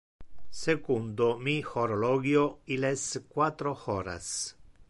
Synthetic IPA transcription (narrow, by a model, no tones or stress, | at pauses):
sekund̪omixoɾolɔːɡjoileskwat̪ɾoxɔːɾa̰s